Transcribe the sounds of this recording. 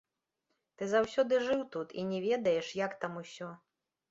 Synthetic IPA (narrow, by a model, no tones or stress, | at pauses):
t̪ɨzawsʲɔd̪ɨʐɨwt̪ut̪inʲɛvʲɛd̪ɐjɛʂjakt̪amusʲɔ